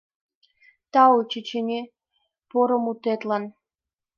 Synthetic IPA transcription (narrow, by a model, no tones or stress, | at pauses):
t̪ɑut͡ɕet͡ɕenʲe | poɾɤ̆mut̪et̪lɑn